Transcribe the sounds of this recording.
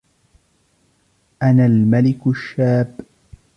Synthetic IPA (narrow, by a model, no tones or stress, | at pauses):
ʔanaːlmalɪkʃːaːb